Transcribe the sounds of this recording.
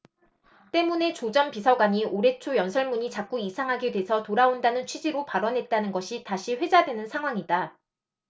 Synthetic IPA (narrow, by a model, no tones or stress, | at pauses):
t͈e̞mune̞t͡ɕod͡ʑʌmpisʰʌɡwaɲioɾe̞t͡ɕʰojʌnsʰʌɭmuɲit͡ɕak̚k͈uisʰaŋɦaɡidwe̞sʰʌtoɾaondanɯnt͡ɕʰɥid͡ʑiɾopaɾʌnɦe̞t̚t͈anɯnɡʌɕʰitaɕʰiɸwe̞d͡ʑadwe̞nɯnsʰaŋɦwaŋida